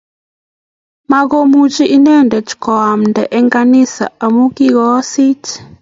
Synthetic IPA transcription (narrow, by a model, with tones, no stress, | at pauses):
ma˦ɡo˦mu˦t͡ʃiʔi˦nɛ˦ndɛ˨t͡ʃkɔ˨a˨mndɛ˨ʔɛ˦ŋɡa˦nɪ˦sa̰˨a˨mu˦ki˦ɡɔ˦sɪ˦t͡ʃ